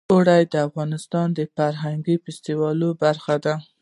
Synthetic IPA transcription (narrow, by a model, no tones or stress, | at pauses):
oɽajd̪əafɣɑnɪst̪ɑnd̪əfaɾɦaŋɡifɪst̪iwɑlobaɾxad̪a